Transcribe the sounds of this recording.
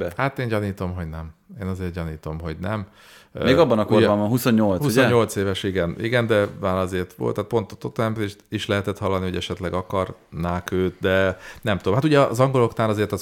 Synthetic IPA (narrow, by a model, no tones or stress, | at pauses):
bɛhat̪eːɲɟɒniːt̪o̞mɦo̞ɟnɛmeːnɒzeːrt̪̚ɟɒniːt̪o̞mɦo̞ɟnɛm | meːɡɒbːɒnɒkorbaːmbɒnɦusoɲɲolt̪hsusoɛɲo̞lt̪seːvɛʃiɡɛniɡɛnd̪ɛmaːɾɒzeːrt̪ʋo̰lt̪ːaːt̪̚po̞nt̪o̥t̪ːokt̪ːɛɛmpzeːʃt̪iʃlɛɦɛt̪ɛt̪hɒlːɒnio̞ɟɛʃɛt̪lɛɡɒkɒrnaːkøːt̪d̪ɛnɛmt̪ud̪omɦat̪uɟɛɒʔːzɒŋɡo̞lo̞knaːɾɒzeːrt̪ɒ